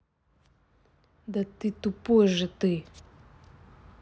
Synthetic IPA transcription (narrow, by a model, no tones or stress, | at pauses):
nd̪ət̪it̪upoʒət̪e